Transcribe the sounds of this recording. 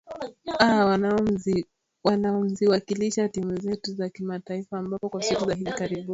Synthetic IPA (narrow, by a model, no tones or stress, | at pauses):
awanazi | wanaɔm̩ziwakiliʃatimuzɛtuzakimataifaːmbapɔkwasikuzaɦivikaɾibun